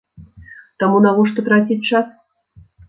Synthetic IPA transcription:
t̪amunavɔʂt̪ɔt̪ɾatʲit̚ʲt͡ʂas

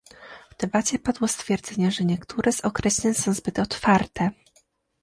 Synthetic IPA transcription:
vd̪ɛbat͡ɕɛpad̪wɔst̪fʲjɛɾd̪zɛɲɛʐɛɲɛkt̪uɾɛz̥ɔkɾɛɕlʲɛɲsɔ̃w̃zbɘt̪ɔt̪faɾt̪ɛ

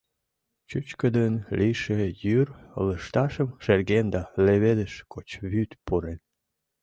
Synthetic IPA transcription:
t͡ɕut͡ɕkəd̪ənliʃejyrə̰ləʃt̪ɑʃəmʃerɣend̪ɑleβed̪əʃkʰot͡ɕβyt̪puɾen

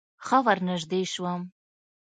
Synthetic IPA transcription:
xawaɾnəʒd̪eʃwəm

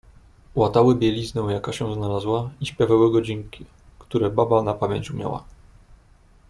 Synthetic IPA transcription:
wat̪awɘbʲjɛlʲiznɛ̃w̃jakaɕɛw̃znalazwaiɕpʲjavawɘɡɔd͡ʑiŋkʲi | kt̪uɾɛbabanapamʲjɛɲʲt͡ɕumja̰wa̰

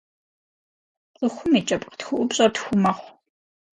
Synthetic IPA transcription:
ɨxʷʊmiːt͡ʃʼɐpʼqə̥txʷʊʔʷʊpɕʼɐtxʷʊmɐχʷ

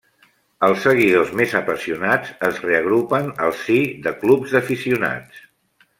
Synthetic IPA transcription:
əlˠsːəɣ̞iðozmezəpəsiunad͡zəzreəɣ̞ɾupənəlˠsiðəklubzðəfisiuna̰t͡s

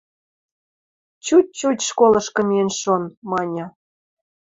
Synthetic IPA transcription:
t͡ɕut̚ʲt͡ɕutʲʃkolɤ̆ʃkɤ̆mienʲʃonmɑnʲɤ̆

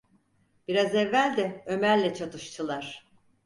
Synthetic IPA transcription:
b̥iɾazɛvːælʲd̪ɛø̞mæɾlːʲɛt͡ʃʰat̪ʰɯʃt̪ʰɯlˠaɾ̥

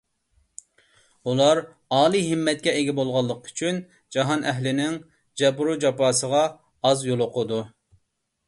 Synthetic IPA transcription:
ulˠɑɾ | ɑːlˠiɦɪmːɛt̪̚kʲɛeɡʲɛbolˠʁɑlˠːəqy̥t͡ʃʰyn | d͡ʒɑɦɑnɛɦlɪnɪŋ | d͡ʒɛbɾud͡ʒɑpɑːsəʁɑː | zjolˠʊqʰʊd̪u

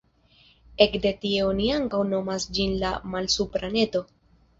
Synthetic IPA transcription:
e̞kde̞tie̞oniaŋkawno̞masd͡ʒinlamalsupɾane̞to̞

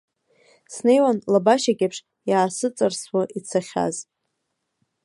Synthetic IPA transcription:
snejwanlabaʃaɡʲapʰʂ | jaːsɨt͡sʼarswaʔit͡sʰaχʲa̰z

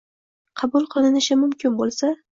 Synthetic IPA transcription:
qʰɑbʊlˠqʰɨlˠɪnɪʃɪmʊmkʲʰɪnbolˠsa

